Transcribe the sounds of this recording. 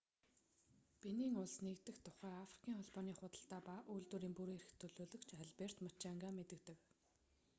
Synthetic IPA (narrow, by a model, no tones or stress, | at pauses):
piniːŋʊɮsnekt̪ɘ̆xt̪ʰʊ̥χæːafri̥kʰʲiːŋχɔɮpɔːniːχʊt̪ə̆ɬt̪aːpaʔujɮt̪wuɾiːŋpuɾeɾ̆xt̪ʰɵɮoːɮɵ̆kt͡ɕʰaɮper̥t̪mat͡ɕaŋɡaːmet̪ɘ̆kt̪ɘ̆k